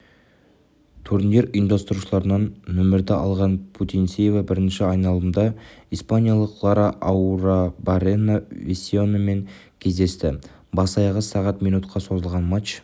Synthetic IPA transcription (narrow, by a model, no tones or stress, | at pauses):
t̪ʰuɾnjeɾʊjənd̪ɑst̪əɾuʃəlˠɑɾənɑnːɵmɪɾd̪eʔɑlˠʁɑnpʰut̪insejvɑbɪɾɪnʃɪɑjnɑlˠəmd̪ɑijspanʲijalˠəqlˠɑɾaʔawɾabaɾenavesʲio̞nəme̞ŋ | kʲʰe̞zd̪e̞st̪ɪ | bɑsɑjɑʁəsɑʁɑt̪mijnut̪qʰɑso̞zəlˠʁɑnmat͡ʃ